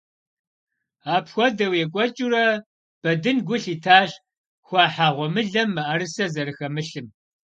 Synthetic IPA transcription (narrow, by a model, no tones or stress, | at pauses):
aːpxʷɔdɐwjɛkʷʼɔt͡ʃʼuɾɐ | b̥ɐdɨnɡʷʊɬiːtʰaːɕ | xʷɑːħaːʁʷɔmɨɮɐmːɐʔɐɾɨsɐzɐɾɨxɐmɨɬɨm